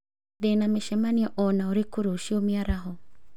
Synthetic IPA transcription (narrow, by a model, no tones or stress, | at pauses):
ðenameʃɛmaniɔʔɔnaoɾekuɾouʃiomiaɾaɦɔ